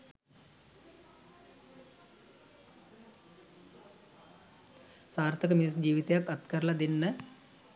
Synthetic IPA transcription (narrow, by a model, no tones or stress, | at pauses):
saːɾt̪ʰɐkəmiis̬d͡ʑiːʋit̪ejakːɐt̪kɐɾlɐd̪inːə